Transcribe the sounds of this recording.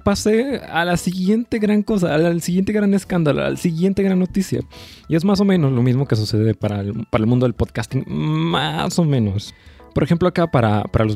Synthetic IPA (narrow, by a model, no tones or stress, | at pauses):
pasealasiɣje̞nt̪e̞ɣɾaŋko̞saːalsiɣje̞nt̪̬eɣɾane̞skand̪alo̰a̰lsiɣje̞nt̪e̞ɣɾanːo̞t̪isja̰ | ie̞zmas̬o̞mẽno̞zlo̞mizmo̞ke̞s̬use̞ðepaɾapaɾaelmũnd̪oðelpoðkast̪iŋma̰so̞mẽ̞no̞s | po̞ɾe̞xe̞mploakapaɾapaɾalo